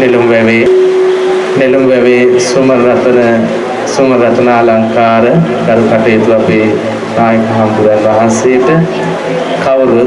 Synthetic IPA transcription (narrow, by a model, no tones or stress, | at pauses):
nelumʋɛʋeː | nelumʋɛʋeːsumɐɾɾɐt̪ɐnɐ | sumɐɾɾɐt̪ɐnaːlɐŋkaːɾɐ | kɐɾukɐʈɐjt̪uɐpi | naːjɐkɐɦɐmp̪ud̪ɐnʋɐɦɐnseːʈɨ | kɐwɾu